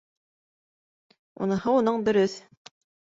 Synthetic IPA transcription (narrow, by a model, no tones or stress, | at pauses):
ṵnɤ̆hɤunɤɴb̪ɵ̆ɾɵθ